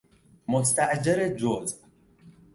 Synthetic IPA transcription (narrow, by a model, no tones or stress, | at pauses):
most̪æʔd͡ʒaɾed͡ʒoːz